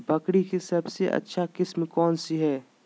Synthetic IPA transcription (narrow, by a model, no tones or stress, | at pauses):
bəkɽikesɐbseʔɐ̰tːʃʰakɪsmkɔːnsiɦɛː